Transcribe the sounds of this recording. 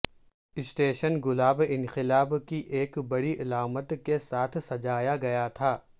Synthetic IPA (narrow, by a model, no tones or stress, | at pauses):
ɪsʈeːʃənɡʊlaːbɪ̃nqɪlaːbkiʔeːkbɐɽiʔɐlaːmət̪kesaːt̪ʰsɐd͡ʒaːjaɡɐjat̪ʰaː